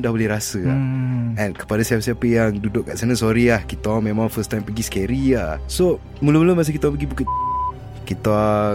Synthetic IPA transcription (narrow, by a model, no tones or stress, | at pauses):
dahbolɛhɾasə | ɛ̃nkə̥padasiap̚siapəjaŋdudʊʔ̚kːaʔsanasoɾiahkit̪mẽmãŋfəst̪ãjmpəɡiskeɾiaso | muləmuləmas̬əkit̪apəɡibukət̪̚ | kit̪a